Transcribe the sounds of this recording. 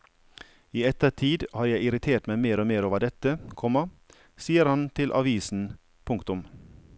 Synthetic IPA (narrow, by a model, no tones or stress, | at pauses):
iːɛt̪əʈʰiːd̪hɑːɾjæɪɪɾɪt̪ʰeːʈmæɪmeːɾoːmeːɾoːʋəɖɛt̪əkʰɔmɑ | siːəɾhɑnt̪ʰɪlʔɑ̰ʋiːsn̩ | pʰʊŋkt̪ʊm